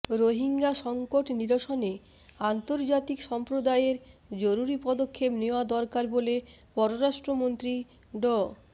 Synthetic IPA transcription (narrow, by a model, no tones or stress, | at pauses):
ɾoɦiŋɡaʃɔŋkoʈniɾoʃone | ant̪oɾd͡ʑat̪ikʃɔmpɾod̪aeɾd͡ʑoɾuɾipɔd̪okʰːepneoad̪ɔɾkaɾbole | pɔɾoɾaʃʈɾomont̪ɾi | ɖɔ